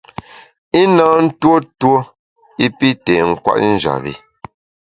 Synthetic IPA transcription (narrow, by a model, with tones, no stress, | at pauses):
i˦naː˦n̩˦two˦two˦ | i˦pi˦tɛ˨ŋ̩˨kwa̰˦ʔn̩˦d͡ʒa̰˨βḭ˨